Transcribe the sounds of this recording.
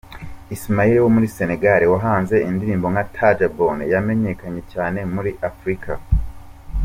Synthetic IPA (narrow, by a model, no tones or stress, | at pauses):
ismajiɾiwomuɾise̞ne̞ɡaɾiwaɦaːnze̞indiɾiːmbo̞ŋatʰad͡ʒabonjame̞ɲe̞kaɲe̞caːne̞muɾiʔafɾikʰa